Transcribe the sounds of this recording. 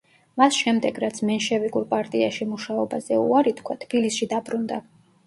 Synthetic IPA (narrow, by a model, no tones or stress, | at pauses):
masʃɛmd̪ɛɡɾat̪sʰmɛnʃɛvikʼuɾpʼaɾt̪ʼiaʃimuʃaɔbazɛṵaɾit̪ʰkʰwat̪ʰb̥ilisʃid̪abɾund̪a